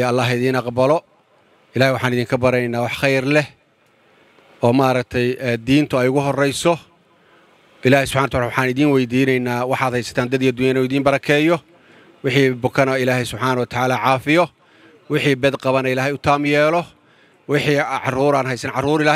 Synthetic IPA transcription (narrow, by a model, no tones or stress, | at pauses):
ɐlːaːɦɪðiːnɑqbɐlɔ | ɪlaːhjwɑħaːnɪðiːŋkʰɐbɐɾɛjnːaːwɑħχɛjrlɛ | ɔːmaːɾɐkt̪ʰɛjɛːd̪iːnt̪ʰʊɛjʊɣʊɦɔrɛjsɔ | ʔɪlaːhɛjsʊb̥ħaːnwt̪ʰwawɑħaːnɪðiːnwɛjd̪iːnɛjnaːwɑħaːd̪hɛjsɐ̥t̪ʰaːnd̪ɐd̪iːɐd̪ːʊjɐnɛɪðiːmbɐɾɐkʰɛːjɔ | wɪħiːbʊkʰɐnɐɪlaːɦɛsʊbħaːnɐwɐt̪ʰɐʕaːlaːʕɑːfɪjɔ | wɪħiːbɛd̪qɑβɐnɐɪlaːɦɛjʊt̪ʰaːmjɛːlɔ | wɪħiːʕɑ̰ruːɾaːnɦɛjsɐnʕɑruːɾɪlaː